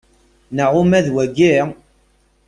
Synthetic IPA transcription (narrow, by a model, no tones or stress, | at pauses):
nəʁʊmæðwæɡi